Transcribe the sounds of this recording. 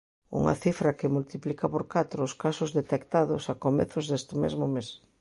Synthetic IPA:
ṵŋɐ̰θifɾɐkɪmult̪iplikapoɾkat̪ɾoːskasʊzðet̪ekt̪aðʊsakomḛθʊzðest̪ɪmḛzmʊmes

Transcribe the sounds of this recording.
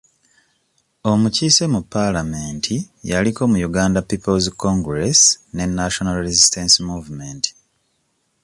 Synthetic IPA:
o̞muciːse̞mupːalame̞ːntʰi | jaliko̞ːmujuɡaːndapːipolzkoŋɡɾesne̞nːaʃo̞nalɾezistensmuːvumeːnt

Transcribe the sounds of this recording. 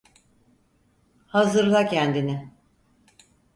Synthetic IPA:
hazɯɾlˠacʰɛnd̪inɪ

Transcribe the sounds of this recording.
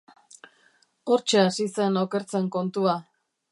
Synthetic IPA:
o̞ɾt͡ʃeasise̞no̞ke̞ɾt͡se̞ŋko̞nt̪ua

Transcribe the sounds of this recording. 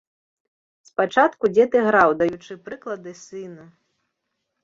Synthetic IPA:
spat͡ʂat̪kud͡zʲɛt̪ɨɣɾawd̪ajut͡ʂɨpɾɨklˠɐd̪ɨsɨnɐ

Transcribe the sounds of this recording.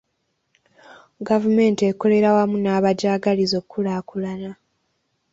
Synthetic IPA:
ɡavume̞ːntieko̞le̞ɾawamunaːβaɟaːɡalizo̞kːulaːkulana

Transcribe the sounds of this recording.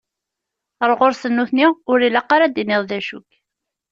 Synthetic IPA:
ɾˤʁoɾsənːuθniʊɾilːæqːaɾæd̪inɪðˤðæʃṵk

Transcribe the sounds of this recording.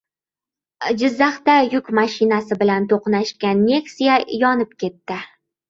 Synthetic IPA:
d͡ʒɪzːaχt̪ajʊkʲmaʃɪnasɪbɪlant̪ʰoqnaʃkʲanːe̞ksijajɒnɪp̚kʲʰe̞t̪ːɪ

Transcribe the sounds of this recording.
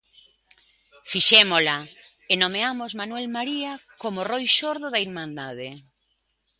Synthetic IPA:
fiʃɛmola | enomeamozmanwɛlmaɾiakomorojʃoɾðʊðɐiɾmãnd̪að̞e

